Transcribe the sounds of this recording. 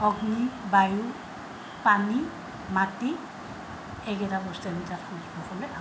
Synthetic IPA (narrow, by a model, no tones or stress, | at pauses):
ɔɡnibaju | pani | mati | ɛɡɛtabɔstanitatʰɔpɔkɔlɔʔa